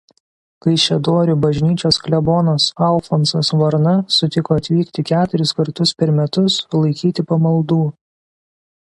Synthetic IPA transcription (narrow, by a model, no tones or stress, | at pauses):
kɐɪʃʲɛd̪oːɾʲʊbɐʒʲnʲiːt͡ʃʲoːsklʲɛboːnoːsɐlˠfonsosʋɐɾnɐsʊt̪ʲɪkoːɐt̪ʲʋʲiːkt̪ʲɪkʲæːt̪ʊɾʲɪskɐɾt̪ʊspʲɛɾmʲɛt̪ʊslˠɐɪkʲiːt̪ʲɪpɐmɐlˠd̪uː